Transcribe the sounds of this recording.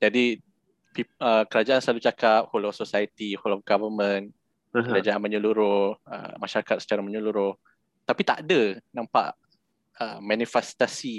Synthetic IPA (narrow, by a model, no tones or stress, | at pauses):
d͡ʒadi | piəkəɾad͡ʒaʔansəlalut͡ʃakap̚holɔfsosajət̪iholɔfɡavəmə̃n | kəd͡ʒad͡ʒaanmə̃ɲuluɾʊhə̰maʃaɾakat̪̚sə̥t͡ʃaɾamə̃ɲuluɾʊh | t̪apit̪a̰ʔdənãmpa̰ʔ | əmãnifɛst̪asi